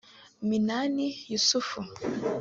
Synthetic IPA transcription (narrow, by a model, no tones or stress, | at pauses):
minanijusufu